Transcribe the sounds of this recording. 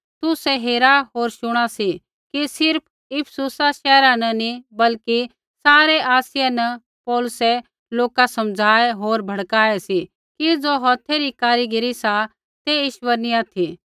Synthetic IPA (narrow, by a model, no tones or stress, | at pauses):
t̪ʊsɛɦeːɾaɦoːɾʃʊɽ̃asi | kisɪɾpʰ | ɪpʰsʊsaʃɛːɾanɐnibɐlki | saːɾɛʔaːsɪjɛnɐ | pɔːlʊsɛ | loːkasɐmd͡zʱaːeɦoːɾbʱɐɽkaːɛsi | kid͡zoɦɔːt̪ʰɛɾikaːɾiɡɪɾisa | t̪eɪʃwəɾniat̪ʰi